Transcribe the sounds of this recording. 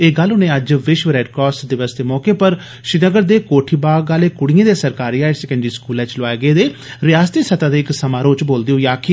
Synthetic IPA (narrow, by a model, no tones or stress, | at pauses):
eːɡəlʊnẽːəd͡ʒʋɪʃʋəɾɛːɖkɔːsʈd̪ɪʋəsd̪eːmɔːkeːpəɾ | ʃɪnəɡəɾd̪eːkoːʈʰiːbaːɡaːleːkʊɽɪjẽːd̪eːsəɾkaːɾiːaːɪsɛkə̃ɳɖɾiːskuːlɛ̃ːt͡ʃlʋaːeːɡeːd̪eː | ɾɪjaːst̪iːsət̪ãːd̪eːɪksəmaːɾõːt͡ʃboːld̪eõːjaːkʰɪ